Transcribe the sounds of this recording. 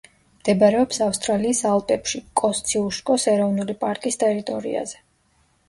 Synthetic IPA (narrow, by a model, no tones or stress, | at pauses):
md̪̥ɛbaɾɛɔpsafst̪ʼɾaliːsalˠpʼɛpʃikʼɔst̪sʰiuʃkʼɔsɛɾɔvnulipʼaɾkʼist̪ʼɛɾit̪ʼɔɾḭa̰zɛ